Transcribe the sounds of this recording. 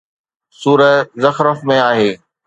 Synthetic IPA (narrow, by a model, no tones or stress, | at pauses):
suːɾəzɐxɾəfmẽaːɦeː